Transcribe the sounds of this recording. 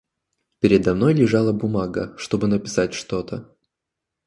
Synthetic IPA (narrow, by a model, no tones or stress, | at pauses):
pʲɪɾʲɪd̪ɐmno̞jlʲɪʐɑlˠəbʊmaɡə̰ʂt̪o̞bɨnəpʲɪ̥satʲʂt̪o̞t̪ə